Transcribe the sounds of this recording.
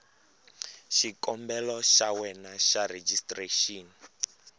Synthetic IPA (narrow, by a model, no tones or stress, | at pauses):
ʃikʼɔmbɛlɔʃawɛnaʃaɾed͡ʒistʼreʃiːni